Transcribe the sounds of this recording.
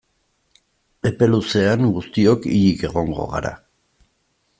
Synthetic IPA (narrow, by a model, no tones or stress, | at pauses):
e̞pe̞luse̞aŋɡust̪io̞kiʎike̞ɣo̞ŋɡo̞̰ɣa̰ɾa̰